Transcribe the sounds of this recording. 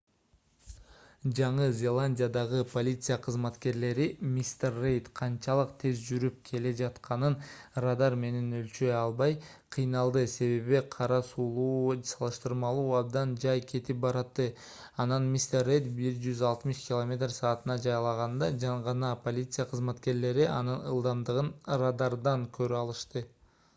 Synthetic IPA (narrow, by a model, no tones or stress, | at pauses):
d͡ʒɑɴɯzʲe̞lˠanʲdʲijad̪ɑʁɯpʰo̞lʲit̪sɨjaqʰɯzmɑt̪ke̞ɾle̞ɾimʲist̪ʲerːejt̪qʰɑnt͡ʃɑlˠɯqt̪ʰe̞zd͡ʒyɾyp̚kʰe̞le̞d͡ʒɑt̪qɑnɯnrad̪ɑɾme̞ne̞nølt͡ʃøjɑlˠβɑj | qʰɨjnɑlˠd̪ɯse̞βe̞βiqʰɑɾɑsuːlˠuːsɑlˠɯʃt̪ɯɾmɑlˠuːɑb̚d̪ɑnd͡ʒɑjkʲʰe̞t̪ip̚bɑɾɑt̪ːɯ | ɑnɑnmʲist̪erːejt̪biɾd͡ʒyzɑlˠt̪mɯʃkʲɪlˠomʲe̞t̪rsɑːt̪ɯnɑd͡ʒɑjɑlˠɑʁɑnd̪ɑd͡ʒɑɴʁɑnɑpo̞lʲit̪sɨjaqʰɯzmɑt̪ke̞ɾle̞ɾiʔɑnɯnɯ̰lˠd̪ɑnd̪ɯʁɯnrad̪ɑɾd̪ɑŋkʰø̞ɾyɑlˠɯʃt̪ɯ